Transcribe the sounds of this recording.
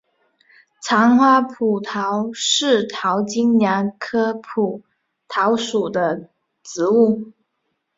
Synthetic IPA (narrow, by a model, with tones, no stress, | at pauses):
t͡sʰɑ˧˥ŋxwa˥pʰu˨˩t̪ʰɑ˧˥ʊʂɻ̩˥˩t̪ʰɑ˧˥ʊt͡ɕi˥ŋnja˧˥ŋkʰɤ˥pʰu˨˩ | t̪ʰɑ˧˥ʊʂu˨˩d̪ə˦ | t͡sɻ̩˧˥u˥˩